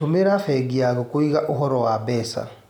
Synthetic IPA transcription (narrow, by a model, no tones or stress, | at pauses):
omeɾafɛɡiaɣɔkoiɣaʔoɦɔɾɔwabɛːsa̰